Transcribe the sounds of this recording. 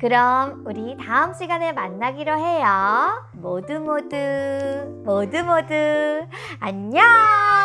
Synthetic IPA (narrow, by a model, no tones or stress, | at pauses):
kɯɾʌmuɾitaɯmɕ͈ʰiɡanemanːaɡiɾoɦe̞jʌ | modɯmodɯ | modɯmodɯ | aɲa